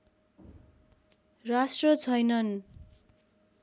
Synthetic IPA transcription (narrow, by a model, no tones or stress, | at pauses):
rasʈrʌt͡sʰʌjnʌn